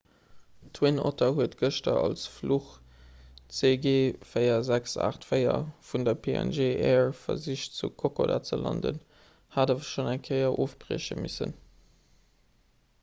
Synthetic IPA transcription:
tʰwinotʰɐhuətɡəʃtɐʔɑlsfluχ | t͡seːɡeːfəɪɐzæksa̰ːχtfəɪɐ̰fundɐpʰeɛ̰nʒeːʔɛːɹfɐziʃt͡sukʰokʰoda̰ːt͡səlɑ̰ndə̰n | haːdaːvɐʃonæŋkʰəɪɐʔoːfb̥ʀḛːɕəmisə̰n

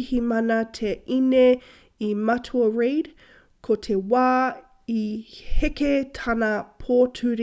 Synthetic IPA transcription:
himɐnɐtʰeʔine | imɐtʰuɐɹeɪd | kʰotʰewaː | iheketʰɐnɐpʰoːtʰʉɾ

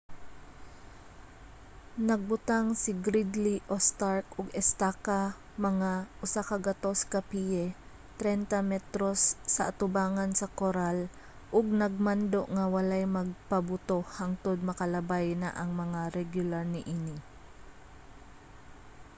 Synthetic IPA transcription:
nɐɡ̚bʊt̪aŋsɪɡɾid̪liʔost̪aɹkʊɡɛst̪aka | mɐŋaʔʊsakɐɡɐt̪o̞skɐpijɛ | t̪ɾɛnt̪ɐmɛt̪ɾosːɐʔat̪ʊbaːŋɐnsɐkoɾal | ʔʊɡ̚nɐɡ̚mand̪oʔŋɐwɐlajmɐɡ̚pɐbʊt̪ohaŋt̪od̪̚mɐkɐlɐbajna̰ʔɐŋmɐŋaɾɛɡjʊlaɾnɪʔiːnɪ

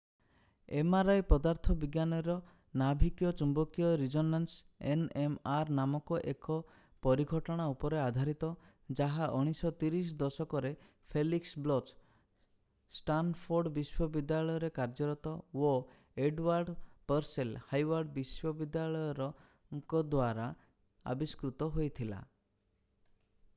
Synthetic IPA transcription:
emaɾajpɔd̪aɾt̪ʰɔbiɡjanɔɾɔ | nabʱikjɔt͡ʃumbɔkijɔɾid͡ʒɔnansenemaɾnamɔkɔʔekɔ | pɔɾiɡʱɔʈɔɽ̃aupɔɾead̪ʱaɾit̪ɔ | d͡ʒaɦaʔɔɽ̃isɔt̪iɾis̬d̪ɔsɔkɔɾe | pʰeliksblɔt͡ʃ | sʈanpʰoɾɖbiswɔbid̪jaɭɔjɔɾekaɾd͡ʒɔɾɔt̪ɔo | eɖwaɾɖpəɾselhajwaɾɖbiswɔbid̪jaɭɔjɔɾɔ | ŋkɔd̪waɾa | a̰biskɾut̪ɔɦojt̪ʰila̰

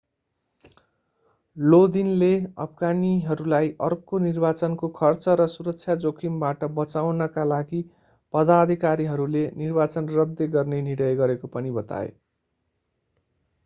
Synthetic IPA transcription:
lod̪inleʌ̰bʰʱɡaniɦʌɾulajʔʌrkonirbat͡sʌnkokʰʌrt͡sʌɾʌsuɾʌk̚t͡sʰjad͡zokʰimbaʈʌbʌt͡sawnʌkalaɡi | pʌd̪ad̪ʱikaɾiɦʌɾulenirbat͡sʌnrʌd̪jeɡʌrneniɽʌjɡʌɾekopʌnibʌt̪a̰ḛ

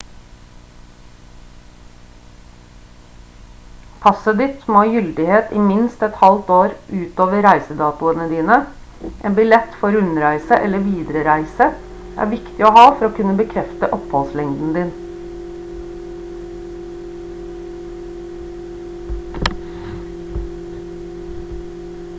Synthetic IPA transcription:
pʰɑsəd̪ɪt̪moːjʏld̪ɪheːt̪iːmɪnst̪ɛt̪hɑlt̪oːɾʔʉːt̪oːʋəɾæɪsəd̪ɑːt̪ʊənəd̪iːnəʔeːnbɪlɛt̪fɔɾʉnɾæɪsəʔɛləʋiːd̪ɾəɾæɪsə | ʔæ̰ːʋɪkt̪ɪoːhɑːfɔɾoːkʉnəbəkʰɾɛft̪əʔɔphɔlslɛŋd̪n̩d̪ɪːn

